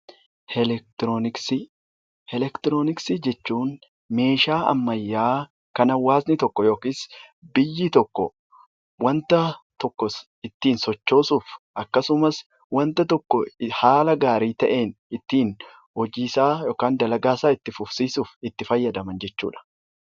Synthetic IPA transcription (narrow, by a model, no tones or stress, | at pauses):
hɛlɛk̚t̪ɾoːnɪksi | ɛlɛkt̪ɪɾoːnɪksɪd͡ʒɛt͡ʃːuːn | me̞ːʃaːʔɐ̰mːɐjːaː | kɐnɐwːaːsnɪt̪ɔkːɔjo̞ːkiːsbɪjːɪt̪ɔkːɔ̰ | wɐnt̪ɐt̪ɔkːɔ | ɪt̪ːiːnsɔt͡ʃːo̞ːsuːfʔɐkːɐsʊmɐs | wɐnt̪ɐt̪ɔkːɔhaːlɐɡaːɾiːt̪ɐ̰ʔe̞ːnɪt̪ːiːn | hɔd͡ʒiːsaːjo̞ːkaːnd̪ɐlɐɡaːsaːɪt̪ːɪfʊfsiːsuːfɪt̪ːɪfɐjːɐd̪ɐmɐnd͡ʒɛt͡ʃːṵːᶑɐ̥